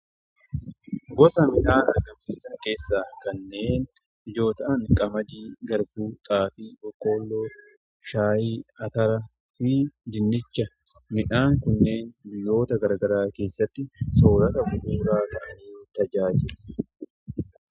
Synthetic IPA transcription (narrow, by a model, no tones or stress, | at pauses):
ɡɔsɐmɪᶑaːnɐɡɐmsiːsɐŋke̞ːsːaːkɐnːe̞ːn | ɪd͡ʒo̞ːt̪ɐʔɐŋkʼɐmɐd̪iːɡɐɾbuːt̪ʼaːfibɔkːoːlːoː | ʃaːjiːɐt̪ɐɾɐ | fiːd̪ɪnːɪt͡ʃːɐ | mɪᶑaːŋkʊnːe̞ːnbɪjːo̞ːt̪ɐɡɐɾɐɡɐɾaːke̞ːsːɐt̪ːɪso̞ːɾɐt̪ɐbʊʔuːɾaːt̪ɐʔɐniːt̪ɐd͡ʒaːd͡ʒɪl̥